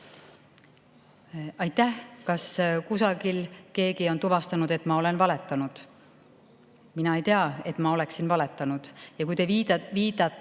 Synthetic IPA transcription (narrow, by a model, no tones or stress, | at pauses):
ɑjt̪ˑːæhkɑskusɑɡilke̞ːɡio̞nt̪uvɑst̪ɑnud̪̥e̞t̪ːˑmɑo̞le̞nvɑle̞t̪ːˑɑnud̪̥ | minɑe̞jt̪e̞ɑe̞t̪ˑmɑo̞le̞ksinvɑle̞t̪ːˑɑnud̪̥jɑkujt̪eiːviːd̪̥ɑt̪ː